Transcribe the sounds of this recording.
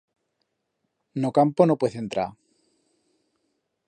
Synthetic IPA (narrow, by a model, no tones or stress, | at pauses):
nokamponopweθent̪ɾa̰